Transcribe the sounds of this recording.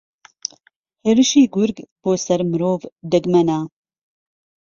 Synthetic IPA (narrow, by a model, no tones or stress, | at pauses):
heːɾɨʃiːɡuɾɡb̥oːsɛɾmɨɾoːvd̪ɨɡmɛna